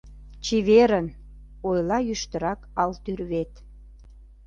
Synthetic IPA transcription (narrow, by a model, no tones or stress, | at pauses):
t͡ɕiβeɾən | ojlɑjyʃt̪əɾɑkɑlt̪yrβet̪